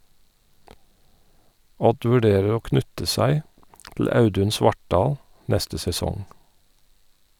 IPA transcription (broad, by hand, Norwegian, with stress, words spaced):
ˈɔd ʋʉˈɖeːɹəɹ ˈoː ˈknʉtə ˈsæɪ tl̩ ˈɑʉdʉn ˈsʋɑʈˌɖɑːl ˈnɛstə sɛˈsɔŋ